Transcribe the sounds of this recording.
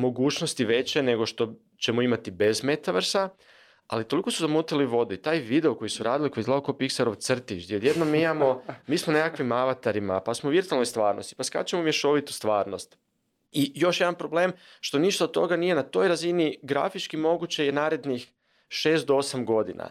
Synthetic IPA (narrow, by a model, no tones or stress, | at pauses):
mo̞ɡuːt͡ʃnost̪iʋe̞t͡ɕe̞ne̞ɡo̞ʃt̪o̞ | t͡ɕe̞moimat̪ibe̞zme̞t̪aʋr̩sa | a̰lit̪o̞liko̞suzamuːt̪iliʋo̞d̪uit̪aːjʋid̪eo̞ko̞jisuɾaːd̪iliko̞jizlaokopiksaɾo̞ʋt̪sr̩t̪it͡ʃd̪iod̪jed̪nomiimamo̞miːsmone̞kakʋimaʋat̪aɾima̰pasmoʋiɾt̪ualno̞jst̪ʋaːɾno̞st̪i̥paska̰t͡ʃemomjeʃo̞ʋit̪u̥st̪ʋaːɾno̞st̪ | ijo̞ʃjed̪anpɾo̞ble̞ːmʃt̪o̞niʃt̪aot̪t̪o̞̰ɡanije̞nat̪o̞jɾaziniɡɾa̰fit͡ʃkimo̞ɡut͡ɕeje̞naːɾe̞d̪nix | ʃe̞ːst̪̚d̪oosamɡo̞d̪ḭna̰